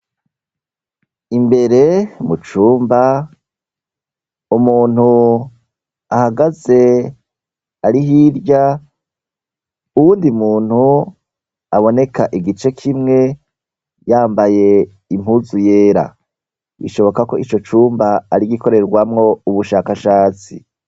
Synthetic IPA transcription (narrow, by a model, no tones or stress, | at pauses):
imbe̞ɾe̞mut͡ʃuːmba | umuːn̥hu | ahaɡaze̞ | aɾiɦiɾɟa | uwuːndimuːn̥hu | aβo̞ne̞kaʔiɡit͡ʃe̞kʰimŋe̞ | jaːmbaje̞ | imhuzuje̞ːɾa̰ | ḭʃo̞βo̞kako̞ʔit͡ʃo̞t͡ʃuːmbaːɾiɡiko̞ɾe̞ɾɡwamŋo̞uβuʃakaʃaːt͡sḭ